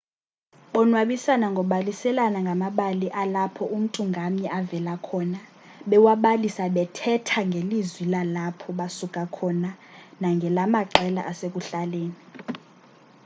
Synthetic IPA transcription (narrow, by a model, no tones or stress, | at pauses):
ɓɔnwaɓisanaŋɡʱɔɓalisɛlanaŋɡʱamaɓaliʔalapʰɔʔum̩tʼuŋɡʱamɲɛʔavɛlakʰɔna | ɓɛwaɓalisaɓɛtʰɛtʰaŋɡʱelizwilalapʰɔɓasukʼakʰɔnanaŋɡʱɛlamaǃɛla̰ʔasek̬ʼuɬaleːni